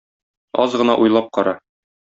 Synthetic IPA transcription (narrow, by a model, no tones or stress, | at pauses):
ɒzʁɤ̆nɑ̰ʔujlˠɑp̚qɒɾɑ